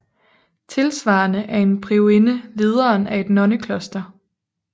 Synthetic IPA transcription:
t͡sʰe̝lsʋɑ̈ːnəʔæɐe̝npʰʁioenəle̝ð̞ˠɐːnʔæe̝d̥nɒ̽nəkʰlɔ̽sd̥ɐ

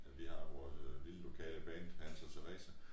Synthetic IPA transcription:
æʋihɑ̈ʋɒːsliləlo̝kʰɛ̰ːləb̥ɛːnd̥hæn̰sɒt͡sʰeʁɛ̰ːsæ

